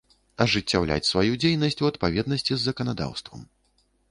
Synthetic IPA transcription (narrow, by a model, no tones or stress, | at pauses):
ɐʐɨt͡sʲːawlʲa̰t͡sʲsvajud͡zʲejnɐsʲt͡sʲuɐt̪̚pavʲɛd̪̚nɐsʲt͡sʲizːɐkɐnad̪a̰wst̪vɐ̰m